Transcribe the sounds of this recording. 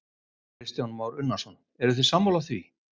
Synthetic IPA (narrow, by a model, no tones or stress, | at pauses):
ɾɪst̪jawnmaːwɾʏnːasɔn | ɛɾʏθɛsamːawlaθvi